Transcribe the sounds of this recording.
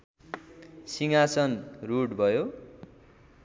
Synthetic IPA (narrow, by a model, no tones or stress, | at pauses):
siŋasʌnruɽbʱʌjo